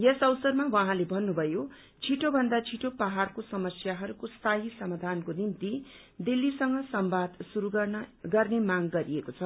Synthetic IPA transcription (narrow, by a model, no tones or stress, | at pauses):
jesʌwsʌrmawãɦãlebʱʌnːubʱʌjo | t͡sʰiʈobʱʌnd̪at͡sʰiʈopaɦarkosʌmʌsjaɦʌɾukost̪ʰaɦisʌmad̪ʱankonint̪i | d̪ilːisʌŋɡʌsʌmbad̪suɾuɡʌrnemaŋɡʌɾiekot͡sʰʌ